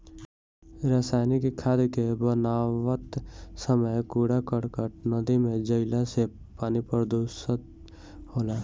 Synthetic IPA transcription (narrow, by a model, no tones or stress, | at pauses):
ɾasaːnikkʰaːd̪kebənaːʋət̪səməjkuːɽakəɽkəɾnəd̪imẽd͡ʒəɪlase | paːnipəɾd̪uʃət̪ | hoːlaː